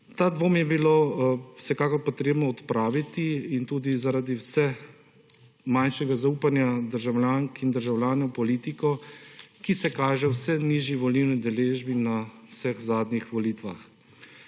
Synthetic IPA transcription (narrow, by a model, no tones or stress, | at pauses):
t̪aːd̪ʋomjɛbilowsɛkaːkɔɾpɔt̪ɾeːbnɔɔt̪pɾaːʋit̪iint̪uːd̪izaɾaːd̪iwsɛ | manʃɛɡazauːpanjad̪əɾʒawlʲjaːŋkind̪əɾʒawlʲjaːnɛwpɔliːt̪ikɔkisɛkaːʒɛwsɛniʒiʋɔliwnid̪ɛleːʒbinawsɛxzaːd̪nixʋɔlit̪ʋa̰x